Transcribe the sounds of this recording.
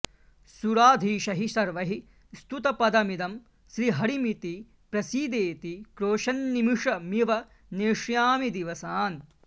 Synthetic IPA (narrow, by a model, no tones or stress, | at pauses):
suɾaːd̪ʱiːʃɐɦisɐɾʋɐɦi | st̪ut̪ɐpɐd̪ɐmid̪ɐm | ʃɾiːɦɐɾimit̪i | pɾɐsiːd̪eːt̪ikɾoːʃɐnːimiʂɐmiʋɐ | neːʂjaːmid̪iʋɐsaːn